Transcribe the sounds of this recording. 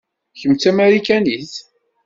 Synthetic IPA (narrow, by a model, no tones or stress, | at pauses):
çəmt͡sæmæɾikæniθ